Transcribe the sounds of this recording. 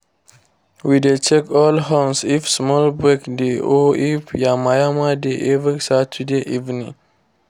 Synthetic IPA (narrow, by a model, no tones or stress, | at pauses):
widet͡ʃɛkɔlɦãnsifsmɔlbɹɛkdeʔɔifjamajamadeʔɛvisatʰudeʔivnḭ̃ŋ